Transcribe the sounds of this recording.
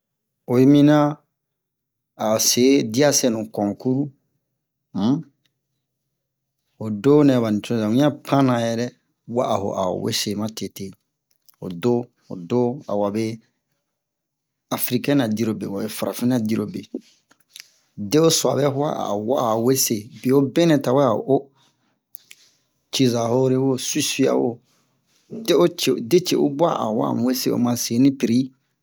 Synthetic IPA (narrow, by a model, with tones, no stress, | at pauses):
o˨i˦mĩ˦nã˦ | a˨se˨˦di˦a˦se˦˨nũ˨kɔ̃˨ku˦ɾu˦ | m̩˦ | o˨do˦nɛ˨βa˨nĩ˨t͡ʃũ˦za˨ũ˦ã˦pʰã˦nã˨jɛ˦ɾɛ˦ | wa̰˦ʔho̰˨ʔa̰˨wḛ˦se˨˦mã˦te˨te˦ | o̰˨do˦ | o̰˨do˦a̰˨wa˨be˦ | a˨fɾi˨kɛ˦na˨di˦ɾo˨bḛ˨wa˨be˨fa˨ɾʔa˨fĩ˦na˦di˦ɾo˨be˨ | de˦o˦swa˨bɛ˦ha̰˦a̰˨wa˦a˨we˦se˨be˨o˦bɛ̃˦nɛ̃˨ta˨wɛ˦a˨ʔo˦ | t͡ʃi˦za˨ho˦ɾe˦wo˦si˦si˦a̰˦wo̰˦ | de˦o˦t͡ʃe˨de˦t͡ʃḛ˨o˦bwa˦ʔa̰˨wa̰˦˨m˨we˦se˦o̰˨mã˨se˨˦nĩ˦pi˨ɾi˦